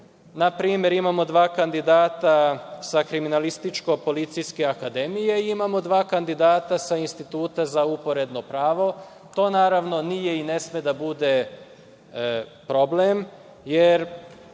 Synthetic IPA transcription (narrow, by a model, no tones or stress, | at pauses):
napɾiːmje̞ɾimamo̞d̪ʋaːkand̪id̪aːt̪asakɾiminalist̪it͡ʃko̞po̞lit̪sijske̞akad̪e̞mijeiimamo̞d̪ʋaːkand̪id̪aːt̪asainst̪it̪uːt̪azaupo̞ɾe̞d̪no̞pɾaːʋo̞ | t̪o̞ːnaːɾaʋno̞nije̞ine̞smed̪abud̪e̞ | pɾo̞blem | jeɾ